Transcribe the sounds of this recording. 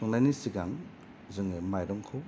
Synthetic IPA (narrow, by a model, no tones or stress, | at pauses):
ɔŋlajnisiɡaŋ | zɯŋɯmajɾɔŋkʰɯw